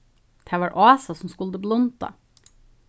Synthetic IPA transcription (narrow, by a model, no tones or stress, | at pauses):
d̪̥ʰæːʋɑːɾʔɑːsɑsɔm̩skʉld̪əblɔnt̪ɑ̰